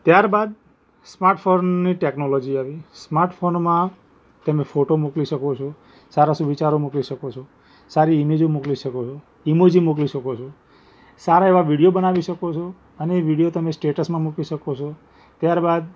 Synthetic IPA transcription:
t̪jaɾbad̪̚ | smaɾʈfʰonːiʈeknolɔd͡ʒiaʋismaɾʈfʰonmã | t̪əmefoʈomukliʃəkot͡ʃʰo | saɾaʃũʋit͡ʃaɾomukliʃəkot͡ʃʰo | saɾiːmed͡ʒõmukliʃəkot͡ʃʰo | imod͡ʒimukliʃəkot͡ʃʰo | saɾaeʋaʋiɽijobənaʋiʃəkot͡ʃʰo | əneːʋiɽijot̪əmesʈeʈəsmãmukliʃəkot͡ʃʰo | t̪jaɾbad̪̚

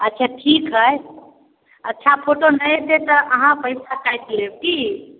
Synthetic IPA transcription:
ətːʃʰaʈʰikɦəj | ətːʃʰapʰoʈonəjt̪et̪əʔəɦãpəjsakajt̪leb̚ki

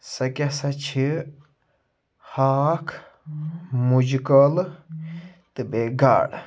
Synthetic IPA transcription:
sɐkʲasɐt͡ʃʰi | haːkʰ | mud͡ʒkəl | t̪ɨbeɡa̰ːɽ

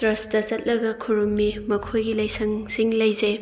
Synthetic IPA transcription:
ɾɐsdɐt͡ʃɐt̚lɐɡɐkʰuɾumːimɐkʰojɡilɐjsʰɐŋsiŋlɐjze

